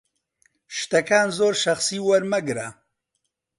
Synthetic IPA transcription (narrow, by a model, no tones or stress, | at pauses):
ʃt̪ɐkaːnzoːɾʃɐχsiːwɐɾmɐɡɾa